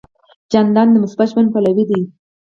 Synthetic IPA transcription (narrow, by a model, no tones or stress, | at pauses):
d͡ʒand̪ɑnd̪əmʊsbat̪ʃban̚palawid̪i